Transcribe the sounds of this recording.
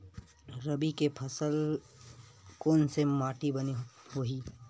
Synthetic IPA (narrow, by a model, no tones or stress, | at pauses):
ɾɐbikepʰɐsəl | koːnsemaːʈibɐniɦoːɦiː